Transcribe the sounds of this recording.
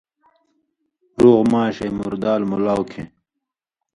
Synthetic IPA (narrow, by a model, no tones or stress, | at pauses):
ɾoːɣmaːɕɐjmuɾd̪aːlmulaːwkʰḛ̃